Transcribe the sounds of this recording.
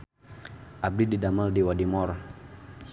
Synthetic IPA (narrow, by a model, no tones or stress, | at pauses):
ʔab̚dididamaldiwadimɔr